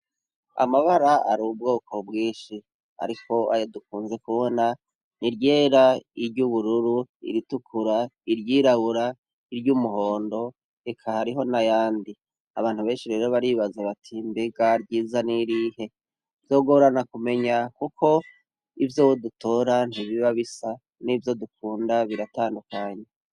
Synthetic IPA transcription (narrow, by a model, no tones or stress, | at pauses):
a̰maβaɾaʔa̰ɾuub̚ɡo̞ːko̞bɡiːnʃi | ha̰ɾiko̞ajoduk̚uːnze̞kuβo̞na | niɾɟeːɾaiɾɟuβuɾuɾuḭɾitukʰuɾaiɾjiːɾaβuɾa | iɾɟumuɦo̞ːndo̞ | ekʰahaɾiɦo̞najaːndi | aβaːn̥huβe̞ːnʃiɾe̞ːɾo̞βaɾiβazaβatʰimbeɡaɾɟiːzaniɾihe̞ | vjo̞ːɡoβɾanakume̞ɲakukʰo̞ | ivjo̞ːwoduto̞ɾan̥hiβiβaβisa | nivjo̞dukuːndaβiɾataːndukaːɲe̞